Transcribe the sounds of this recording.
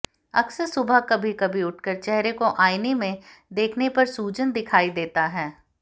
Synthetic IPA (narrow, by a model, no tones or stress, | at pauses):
ɐksəsʊbʱakɐbʱikɐbʱiʊʈ̚ʰkəɾt͡ʃɛɦɾekoʔaːɪnimẽd̪eːkʰnepɐɾsuːd͡ʒənd̪ɪkʰaːid̪eːt̪aɦɛː